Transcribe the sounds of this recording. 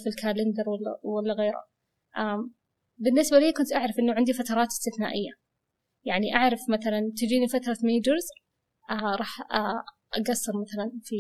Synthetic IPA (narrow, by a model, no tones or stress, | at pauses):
filkʰaːlɪnd̪ɑɾˤwalːa̰walːaɣeːɾa̰ | ʔa | bɪnːɪsbaliːkʊnt̪ʔaʕɾˤɑfʔɪnːaʕɪnd̪ifat̪ɑɾˤɑːt̪ɪst̪ɪθna̰ːʔɪjːa | jaʕniʔaʕɾˤɑfmaθalant̪ɪd͡ʒiːnifat̪ɾˤɑmeːd͡ʒɑɾz | aɾˤɑːħa | ʔaɡɑsːɨɾˤmaθalanfi